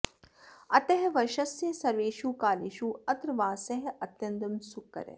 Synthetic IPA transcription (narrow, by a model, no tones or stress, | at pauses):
ɐt̪ɐɦʋɐʃɐsjesɐɾʋeːʃuːkaːliʃuːɐt̪ɾʋaːsɐɦɐt̪jɐnd̪ɐmsukːɐ̰ɾḛ